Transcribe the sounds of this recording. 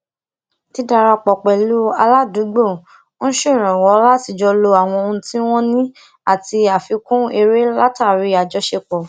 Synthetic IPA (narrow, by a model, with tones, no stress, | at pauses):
ti˨˦da˧ɾa˧k͡pɔ˨k͡pɛ˨lu˦a˧la˦dũ˨˦ɡ͡bo˦˨˦ | ʃe˦˨ɾ̃ɔ̃˨wɔ˨˦la˦ti˧˨d͡ʒɔ˧lo˧a˨w̃ɔ̃˧o˧ũ˧ti˦w̃ɔ̃˦nĩ˦ | a˦˨ti˧a˨fi˧kũ˦e˧ɾe˦la˦ta˦˨ɾi˧˦a˨d͡ʒɔ˧ʃe˧k͡pɔ˨